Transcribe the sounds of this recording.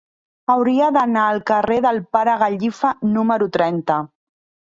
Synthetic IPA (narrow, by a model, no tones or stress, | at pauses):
awɾiəðənaːlˠkəreðəlˠpaɾəɣaʎifanuməɾut̪ɾɛnt̪ə